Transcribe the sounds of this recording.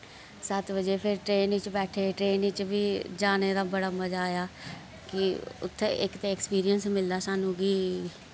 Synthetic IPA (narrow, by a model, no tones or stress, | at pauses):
sət̪bəd͡ʒeːpʰɪɾʈɾeːnɪt͡ʃbɛːʈʰeːʈɾeːnɪt͡ʃbiːd͡ʒaːneːd̪aːbəɽaːməd͡ʒaːjaː | kɪʊ̰t̪ʰːḛʔɪkt̪ẽːɛkspiːɾiənsmɪld̪aːsaːnũːɡiː